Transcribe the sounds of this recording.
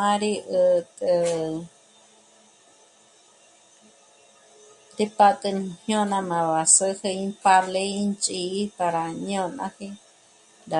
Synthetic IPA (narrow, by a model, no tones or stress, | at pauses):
ãɾiʔət̪ʼɨ | dipat̪ʼɨnhj̃õnãmãβasɨheĩpaleint͡ʃʼikaɾaɲõnã̰hi | da